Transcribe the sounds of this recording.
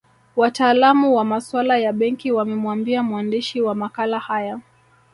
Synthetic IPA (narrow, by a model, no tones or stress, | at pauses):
wataːlamuwamaswalajaɓɛŋkiwamɛmwambiamuandiʃiwamakalahaja